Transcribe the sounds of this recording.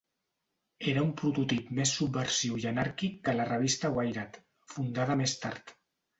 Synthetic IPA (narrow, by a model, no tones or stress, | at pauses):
eɾəumpɾut̪ut̪ipmesːubːəɾsiwiʒənaɾkikːələrəβ̞ist̪əwajɾat̪ | fund̪að̞əmest̪a̰ɾt̪